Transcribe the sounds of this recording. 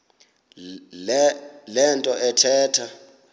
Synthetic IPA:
lɛntʼɔʔɛtʰɛːtʰa

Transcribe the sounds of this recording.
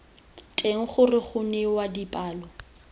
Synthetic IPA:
tʼeŋ̩χʊrɪχʊnɛwadipʼaːlɔ

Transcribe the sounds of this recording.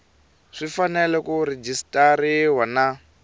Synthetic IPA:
ʂifanɛlɛkuɾed͡ʒistʼaɾiwana

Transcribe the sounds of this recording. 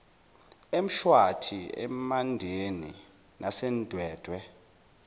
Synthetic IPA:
em̩ʃwatʰiɛ̰mandʱeni | nʔasɛnd̥ʱwɛːd̥ʱwɛ

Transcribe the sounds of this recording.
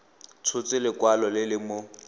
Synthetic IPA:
t͡sʰʊt͡sɪlɪkwalɔlɪlɪmʊ

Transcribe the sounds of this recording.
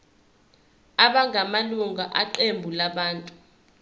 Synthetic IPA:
aɓaŋʱamaluŋaʔaǃembʱulaɓaːntʼu

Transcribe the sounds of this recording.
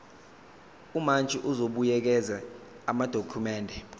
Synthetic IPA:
umant͡ʃʼiʔuzoɓujɛk̬ɛza | amad̥ʱokʰumɛːndʱɛ

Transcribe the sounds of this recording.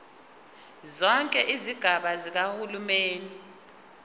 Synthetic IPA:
zɔŋkʼɛʔiziɡ̥ʱaɓazik̬ahulumeːni

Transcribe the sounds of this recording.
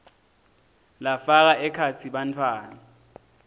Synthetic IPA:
lafak̬aɛkʰat͡sʰiɓantʰwaːna

